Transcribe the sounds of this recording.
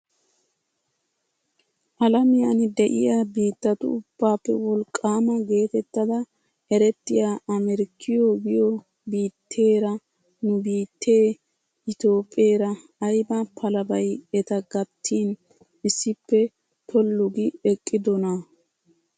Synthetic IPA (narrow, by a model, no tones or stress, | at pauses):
ʔɐlɐmɪjanɪd̪ɛʔɪ̰jaːbiːt̪ːɐt̪ʊ̰ʊb̥ːaːpːɛwɔlkʼːaːmɐɡe̞ːt̪ɛt̪ːɐd̪ɐ | ɛɾɛt̪ːɪjaːʔɐmɛɾɪkʰːɪjoɡɪjo | biːt̪ʰːe̞ːɾɐ | nʊbiːt̪ʰːe̞ː | ɪt̪o̞ːpʼːe̞ːɾɐ | ɐjbapʰɐlɐbɐjɛt̪ɐɡɐt̪ʰːiːn | ɪsːɪpːɛ | t̪ʰɔlːʊɡɪɛkʼːɪd̪ɔnɐ